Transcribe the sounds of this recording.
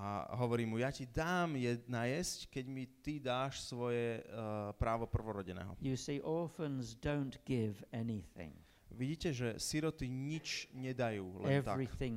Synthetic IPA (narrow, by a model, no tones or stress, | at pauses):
ʔa̰ɦɔʋɔɾiːmujacid̪aːmjɛnajɛsckɛɟmit̪id̪aːʃsʋɔjɛpɾaːʋɔpr̩ʋɔɾɔɟɛnɛ̰ːɦɔ̰jɨsiːʔɔːˑfə̃nzdõʊ̃nɡ̥ɪvɛniθɪ̰̃ŋ | ʋiɟiːcɛʒɛsiɾɔt̪iɲit͡ʃɲɛd̪ajuːlɛ̰ɛnvt̪aɹikθɪ̃ŋ